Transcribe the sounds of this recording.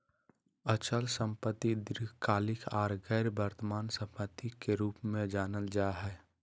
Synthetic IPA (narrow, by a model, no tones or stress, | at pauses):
ət͡ʃəlsə̃mpət̪ːid̪ɪɾɪkaːlɪkʰaːɾɡɛːɾbəɾt̪əmaːnsəmpət̪ːikeɾuːpmẽd͡ʒaːnəld͡ʒaːɦɛː